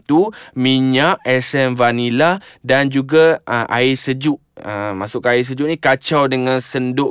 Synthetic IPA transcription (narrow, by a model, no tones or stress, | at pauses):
t̪umiɲaʔɛsɛnvaniladand͡ʒuɡaəʔa̰ɪsəd͡ʒuʔ | əmasʊʔkaɪs̬əd͡ʒʊʔnĩkat͡ʃawdəŋãnsəndʊʔ